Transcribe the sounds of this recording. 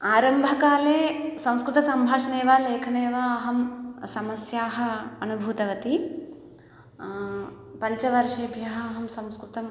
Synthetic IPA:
aːɾɐmbʱɐkaːleːsɐ̃w̃skɾut̪ɐsɐmbʱaːʂɐneːʋaːleːkʰɐneːʋaɐɦɐmsɐmɐsjaːɦɐ̆ːnubʱuːt̪ɐʋɐt̪i | pɐɲt͡ʃɐʋɐɾʂeːbʱjɐɦɐːɦɐmsɐ̃mskɾut̪ɐm

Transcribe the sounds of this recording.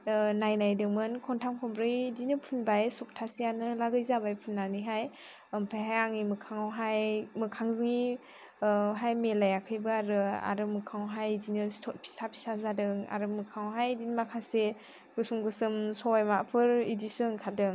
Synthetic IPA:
najnajdɯŋmɯnkʰɔntʰamkʰɔmbɾɯjdinɯpʰunbajsɔk̚tʰasijanɯlaɡɯjzabajpʰunːaniɦaj | ɯmpʰajɦajaŋimɯkʰaŋawɦajmɯkʰaŋzɯŋi | ɦajmelajakʰɯjbɯaɾɯa̰ɾɯmɯkʰawɦajdinɯstʰɔt̚pʰi̥sapʰi̥sazadɯŋa̰ɾɯmɯkʰawɦajdinmakʰase | ɡ̥ɯsɯmɡɯsɯmsɔwajmapʰɯɾidisɯŋkʰadɯŋ

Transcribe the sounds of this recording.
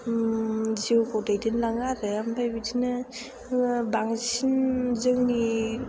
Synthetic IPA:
ziwkʰowdajdinlaŋadɯambʰajbitʰina | baŋsinzɯŋni

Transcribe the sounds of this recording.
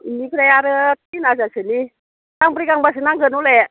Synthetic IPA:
inikɾajaɾət̪̚inazad͡ʒə̤ni | kaŋpəɾikaŋbasənaŋɡənulɛʔ

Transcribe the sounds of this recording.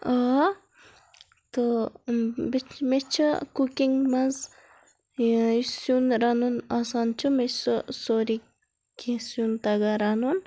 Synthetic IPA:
a | t̪o | bimet͡ʃʰukukiŋmɐz | isjunɾanunasant͡ʃʰumesusoɾi | kisjunt̪ɐɡaɾanun

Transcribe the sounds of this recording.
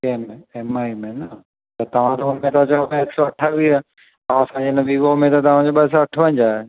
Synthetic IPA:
keːmẽemaːimẽnɐ | t̪ɐt̪ɐʋ̤ãt̪ɐʊnmẽt̪at͡ɕaot̪ɐeksoɐʈʰaʋiə | t̪ɐʋ̤ãsãd͡ʑenɐʋiʋomẽt̪ɐt̪ɐʋ̤ãd͡ʑoːɓɐs̬ãɐʈʰʋɐ̃ɲ̆d͡ʑaːɦe

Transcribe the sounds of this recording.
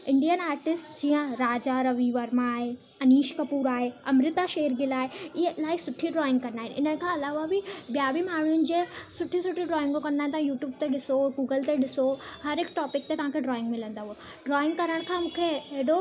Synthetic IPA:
ɪ̃ɳɖijənaːɾʈɪsʈd͡ʑiːə̃ɾaːd͡ʑaɾɐʋiːʋəɾmãːɦe | ɐniːʃkɐpuːɾaːɦeɐmɾɪt̪aʃeːɾɡilaːɦeɪɦelaːɪksʊʈʰiɖɾɔːɪ̃ŋɡkɐnaːɦɪ̃nɪn̤ənkʰãɐlaːʋabɪɓjaːbimaːɳ̤ujʊnɪ̆d͡ʑeːsʊʈʰːisʊʈʰiɖɾɔːɪ̃ŋɡokɐ̃nd̪aːɪ̃nt̪aɦãjuːʈjuːb̚t̪eɗɪsoɡuːɡəlt̪eɗɪsohɐɾɪkʈɔːpɪk̚t̪et̪ɐʋ̤ãːkʰeɖɾɔːɪ̃ŋɡmɪlə̃nd̪aɦuo | ɖɾɔːɪ̃ŋɡkɐɾəɽ̃kʰãːmũːkʰeeɦɽo

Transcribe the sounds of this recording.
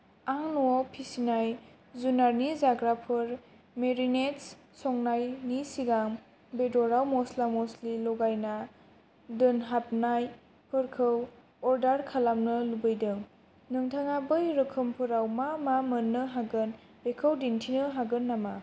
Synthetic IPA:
aŋnuawpʰisinaj | zunaɾnizaɡɾapʰɯɾ | meɾinets | sɔŋnajnisiɡaŋ | bedɔɾawmɔslamɔslilɔɡajna | dɯnɦap̚naj | pʰɯɾkʰɯw | ɔɾdaɾkʰalamnɯlubɯjdɯŋ | nɯŋtʰaŋabɯjɾɯkʰɯmpʰɯɾawmamamənːɯɦaɡɯn | b̥ekʰəwdintʰinɯɦaɡɯnːama

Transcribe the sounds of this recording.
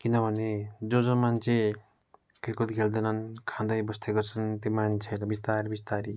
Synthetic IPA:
kinʌbʱʌned͡zod͡zomant͡sʰe | kilkut̪kʰeld̪enʌnkʰãd̪ʌjbʌst̪ʰeɡʌrt͡sʰʌnt̪omant͡sʰeɾʌbist̪arbist̪aɾi

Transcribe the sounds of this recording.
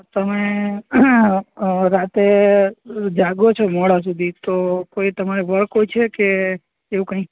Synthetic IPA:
t̪əme | ɾat̪e | d͡ʒaɡot͡ʃʰomɔɽas̬ud̪ʱit̪okoit̪əmaɾebəɾkoit͡ʃʰekeː | ʋũkə̃ĩ

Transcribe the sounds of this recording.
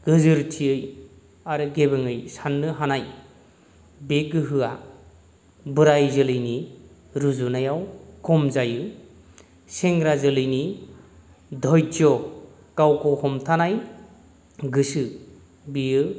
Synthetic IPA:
ɡ̥ɯzɯɾtʰiɯj | aɾɯɡebɯŋɯjsanːɯɦanaj | beɡɯɦɯa | bɯɾajzɯlɯjni | ɾuzunajawkʰɔmzajɯ | seŋɾazɯlɯjni | dʱɔjd͡ʒɔ | kawkʰɔhɔmtʰanaj | ɡɯsɯ | bijɯ

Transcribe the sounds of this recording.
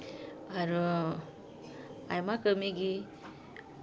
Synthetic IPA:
aɾɔ | ajmakəmiɡi

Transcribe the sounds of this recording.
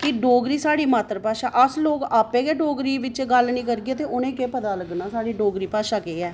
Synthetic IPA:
kɪɖoːɡɾiːsaːɽiːmaːt̪ɾəpaːʃaːʔəsloːkaːpeːkeːɖoːɡɾiːʋɪt͡ʃɡəlnĩːkəɾɡeːt̪eːʊnẽːkeːpət̪aːləɡnaːsaːɽiːɖoːɡɾiːpaːʃaːkeːɛː

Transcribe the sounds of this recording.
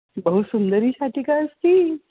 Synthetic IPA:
bəɦusund̪əɾiːsaʈʰiːkaəst̪iː

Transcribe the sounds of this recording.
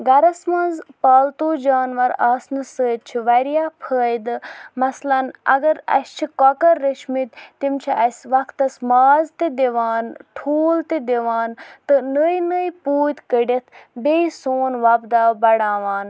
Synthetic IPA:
ɡɐɾɐsmɐnzpaːlt̪oːd͡ʒaːnʋɐɾaːsnɨsəːt̪̚t͡ʃʰiʋɐɾijaːpʰəːjd̪ɨmɐslɐnɐ̰ɡɐɾɐ̰sʲt͡ʃʰikɔkɐɾːəʃmit̪t̪imt͡ʃʰiɐsʲʋɐkt̪ɐsmaːzt̪id̪eʋaːnʈʰuːlt̪id̪eʋaːnt̪ɨnəjnəjpuːt̪kəɖʲet̪ʰbeisoːnʋɐbd̪aːbɐɽaːʋaːn

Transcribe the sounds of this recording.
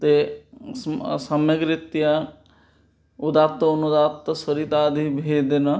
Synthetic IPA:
t̪e | sɐmjeɡɾɪt̪ja | ud̪aːt̪ɐunud̪aːt̪ːɐsɐɾit̪aːd̪ʱibʱed̪enɐ

